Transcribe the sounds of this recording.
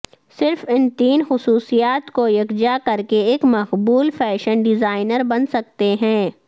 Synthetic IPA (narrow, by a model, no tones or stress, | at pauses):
sɪɾfɪnt̪iːnxʊsuːsijaːt̪kojɐkd͡ʒakɐɾkeeːkmɐqbuːlfɛːʃənɖɪzaːɪnəɾbɐnsɐk̚t̪eɦɛ̃ː